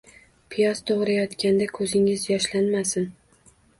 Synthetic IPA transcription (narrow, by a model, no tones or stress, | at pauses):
pʰijɒst̪ʰoʁɾajɒt̪kʲand̪akʰɵzɪŋɪzjɒʃlanmasɪn